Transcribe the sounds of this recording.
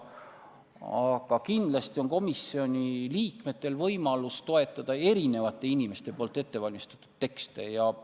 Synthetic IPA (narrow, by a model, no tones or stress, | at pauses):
ɑɡɑkind̪̥lɑst̪io̞ŋko̞misːio̞nʲiliːkme̞t̪ːˑe̞lvɤjmɑlust̪o̞e̞t̪ːˑɑd̪̥ɑe̞ɾine̞vɑt̪ːˑe̞inʲime̞st̪e̞poːlt̪ːˑe̞t̪ːe̞vɑlʲmist̪ɑ̥t̪ːˑu̥d̪̥̚t̪ːe̞kst̪e̞̰jɑ